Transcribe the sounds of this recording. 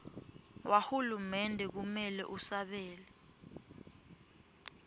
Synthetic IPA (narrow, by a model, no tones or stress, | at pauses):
wʔahulumɛndʱɛk̬umɛlɛ̰ʔusaɓɛːlɛ